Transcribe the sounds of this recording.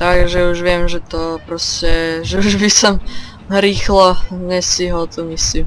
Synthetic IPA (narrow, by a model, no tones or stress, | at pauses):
t̪aɡʒɛuʒʋɪɛmʒɛt̪ɔpɾɔscɛʒɛuʒbisɔm | ɾiːxlɔɲɛsiɦɔt̪ɔmislim